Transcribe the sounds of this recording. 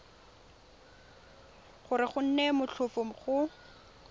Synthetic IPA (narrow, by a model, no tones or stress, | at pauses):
χʊɾɪχʊn̩nɛmʊɬʰʊfom̩χʊ